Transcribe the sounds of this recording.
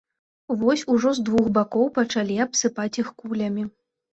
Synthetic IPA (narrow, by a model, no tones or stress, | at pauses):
vɔsʲuʐɔzd̪vuxbakɔwpɐt͡ʂalʲiapsɨpat͡sʲixkulʲɐmʲi